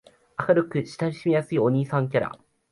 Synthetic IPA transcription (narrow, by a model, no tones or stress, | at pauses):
akaɾɯ̟kɯ̟ɕi̥t̪aɾʲiɕimʲijasɨio̞ɲ̟iːsãŋkʲaɾa̰